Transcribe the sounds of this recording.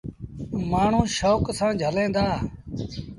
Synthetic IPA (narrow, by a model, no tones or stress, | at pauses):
maːɳ̤ũːʃoːksãːd͡ʒʱəlẽːnd̪aː